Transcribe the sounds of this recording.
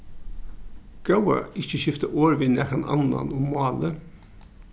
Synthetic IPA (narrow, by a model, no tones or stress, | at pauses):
ɡ̥ɑʊɑ̰ɪçəçʏft̪əʔoːɹʋɪnækɑnʔɑ̰nɑ̰nʊmmɑːlə